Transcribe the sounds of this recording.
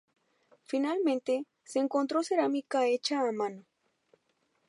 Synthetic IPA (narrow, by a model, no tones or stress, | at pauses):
finalment̪e | seːŋkont̪ɾoseɾamikaet͡ʃaːmano